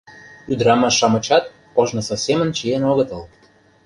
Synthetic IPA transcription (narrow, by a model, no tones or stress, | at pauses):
yd̪ɾɑmɑʃɑmə̆t͡ɕɑt̪̚ | koʒnə̆sofsʲemə̆nt͡ɕijenoɣə̆t̪ə̆lˠ